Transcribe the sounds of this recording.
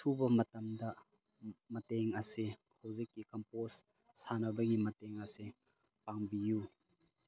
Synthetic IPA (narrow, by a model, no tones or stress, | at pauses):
tʰubɐmɐtɐmdɐ | mɐteŋɐsi | hɐwzikːikɐmpos | sanɐbɐɡimɐteŋɐse | paŋbiju